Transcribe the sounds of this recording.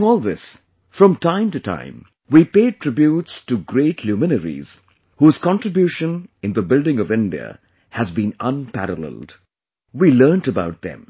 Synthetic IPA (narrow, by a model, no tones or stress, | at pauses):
ŋɔːlˠðɪs | fɹʌ̃mtʰãɪ̃mtɨtʰã̰ɪ̃m | wipeɪd̚tʰɹ̥ɪbjutstuɡɾeɪtʰlumɪnəɾḭz̥ | huːz̥kɑ̃ntɹɨbjuʃə̃nɨ̃nðəbɪldɪ̃ŋʌvɪ̃ndiə̰ | hɨzbĩnə̃npæ̰ɾəlɛ̰lˠd | wilɜ˞ntəbaʊt̪̚ðɨ̰̃m